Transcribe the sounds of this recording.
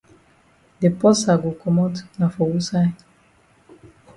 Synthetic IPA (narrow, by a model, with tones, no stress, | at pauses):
de˨pɔ˦sa˨ɡo˨kɔ˨mɔ˦tna˨fɔ˨wu˦sa˦j